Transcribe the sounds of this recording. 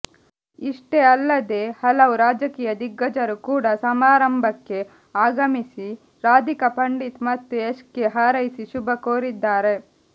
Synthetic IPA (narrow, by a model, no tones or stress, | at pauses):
iʂʈeɐlːɐd̪eːhɐlɐʋuɾaːd͡ʒɐkiːjɐd̪iɡːɐd͡ʒɐɾukuːɽɐsɐmaːɾɐmbʱɐkːe̞ | aːɡɐmisi | ɾaːd̪ʱikɐpɐɳɖit̪mɐt̪ːueskːeɦaːɾɐjisiʃubɐkoːɾid̪ːaːɾe̞